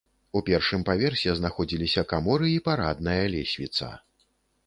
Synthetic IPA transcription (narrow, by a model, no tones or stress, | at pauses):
upʲɛrʂɨmpavʲɛrsʲɛznaxɔd͡zʲilʲisʲɐkamɔɾɨipaɾad̪nɐjɐlʲɛsʲvʲit̪sɐ̰